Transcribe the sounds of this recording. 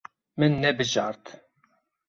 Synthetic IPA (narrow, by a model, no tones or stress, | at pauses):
mɨnːɛbɨʒɑɾt̪